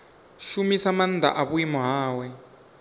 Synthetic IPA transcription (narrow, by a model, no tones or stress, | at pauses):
ʃumisaman̩d̪ʱa̰ʔaβuimɔɦaːwɛ